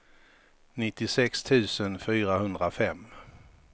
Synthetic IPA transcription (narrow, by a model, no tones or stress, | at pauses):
nɪt̪ːɪsɛkst̪ʰʉ̟ːsənfyːɾaɦɵnd̪ɾafɛmː